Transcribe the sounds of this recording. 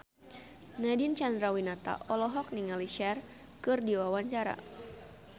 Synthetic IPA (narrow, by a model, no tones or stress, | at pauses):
nadint͡ʃandɾawinat̪a̰ʔɔlɔɦɔk̚niŋaliʃɛr | kɨrdiwawaɲt͡ʃaɾa̰